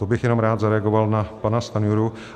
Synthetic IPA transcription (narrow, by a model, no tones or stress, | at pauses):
obɪxjɛno̞mɾaːd̪zaɾɛaɡo̞valnapanast̪anuɾu